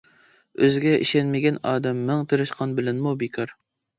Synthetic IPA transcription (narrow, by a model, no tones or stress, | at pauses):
øzɡʲɛʔḭʃɛnmɪɡʲɛnɑːd̪ɛmːɪŋt̪ʰɨɾɨʃqʰɑnbɪlɛnmubikʲʰɑɾ